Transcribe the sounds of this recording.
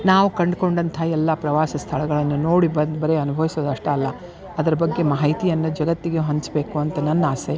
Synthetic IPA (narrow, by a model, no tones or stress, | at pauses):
naːʋukɐɳɖko̞ɳɖɐnt̪ʰɐɛlːɐpɾɐʋaːsɐst̪ʰɐɭɐɡɐɭɐnːunoːɽibɐnd̪bɐɾeɐnubʱɐʋisoːd̪ɐʂʈɐːlːɐ | ɐd̪ɐɾɐbɐɡːe̞mɐɦɐit̪ijɐnːud͡ʒɐɡɐt̪ːiɡeɦɐɲt͡ʃbe̞ːkuɐnt̪ɐnɐnːaːse